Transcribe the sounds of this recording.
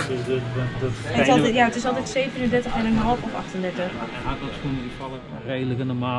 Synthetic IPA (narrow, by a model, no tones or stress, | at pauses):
ɔlˠjaətɪsɑlˠtɛjtseːvənəndɛɹtəxɛnənɦɑlˠfɔfɑ̰xtəndɛɹtəx | atɔskunəifɑlˠə | redələkənɔmaː